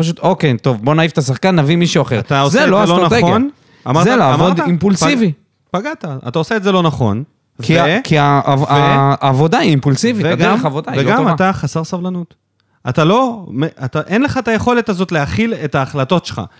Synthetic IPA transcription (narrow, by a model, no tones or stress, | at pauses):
paʃ̬ut̪o̞kejt̪o̞vbo̞naife̥t̪asaχkanːavimiʃuaχeʁat̪aozeloaelonaeon | a̰maʁzealaavod̪aimpulsivi | paɡat̪aa̰tao̞seetze̞lo̞naχo̞n | vkikiavaːvo̞daiimpulsiviteadɡaχavod̪aiveɡamataχasaʁsavlanut̪ | at̪alo̞meat̪aʔenleχaet̪aje̞χo̞le̞tazo̞t̪leaχiletaːχlato̞tʃelχa̰